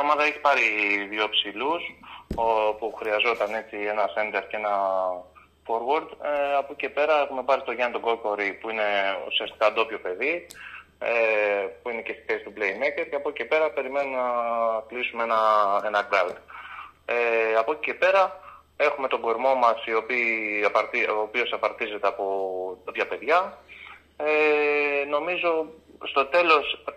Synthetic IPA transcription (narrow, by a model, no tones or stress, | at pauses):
ɐmɐðɐeçi̥pɐɾiðjo̞psilus | puxɾiɐzo̞t̪ɐne̞t͡sie̞nɐse̞nd̪e̞ɾcee̞nɐ | fo̞ɾwɐɾd̪ɐpocice̞pe̞ɾɐe̞xume̞pɐɾit̪o̞ʝɐnt̪oɡo̞lko̞ɾipuine̞ṵsiɐst̪i̥kɐd̪o̞pjo̞pe̞ði | puine̞ce̞st̪i̥pest̪uplejmeceɾce̞ɐpo̞cicepe̞ɾɐpe̞ɾime̞nunɐk̪lisumeenɐe̞nɐɡɾɐld̪ | eɐpo̞ci̥ce̞pe̞ɾɐ | e̞xume̞t̪o̞ɡo̞ɾmo̞mɐsio̞piːɐpɐɾt̪iopio̞sɐpɐɾt̪ize̞t̪e̞ɐpo̞d̪o̞pçɐpe̞ðʝɐ | eno̞mizo̞st̪o̞t̪e̞lo̞s